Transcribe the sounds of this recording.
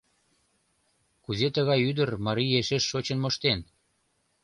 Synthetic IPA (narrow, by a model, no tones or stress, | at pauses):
kuzet̪əɣɑjyd̪ərmɑɾijeʃeʃːot͡ɕənmoʃt̪en